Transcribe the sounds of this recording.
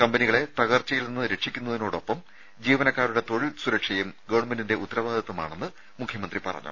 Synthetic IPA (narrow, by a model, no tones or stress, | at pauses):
kɐmbɐniɣɐɭe̞t̪ɐɣɐrt͡ɕːɐjilninːɨɾe̞ʈʂikʲːunːɐðino̞ːɽo̞pːɐm | d͡ʑiːʋɐnɐkːaːɾuɽe̞t̪o̞ɻilsuɾɐkʂɐjumɡɐʋɐɳmendinde̞ʔut̪ːɐɾɐʋaːd̪ʱɐt̪ːɐma̰ːɳenːɨ | mukʰjɐmɐnd̪ripɐ̰rɐ̰ɲːṵ